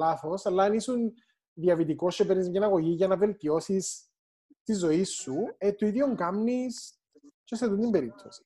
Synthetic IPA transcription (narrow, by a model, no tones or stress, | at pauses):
laθosɐlːɐːnisun | ðiɐvit̪ikoscepɾnizmɐnɐɣo̞ʝiʝɐnɐve̞lt̪io̞sis | t̪izːo̞isːuet̪oiðjoŋkɐmnis | ceseðund̪imbe̞ɾip̚t̪ʰosi̥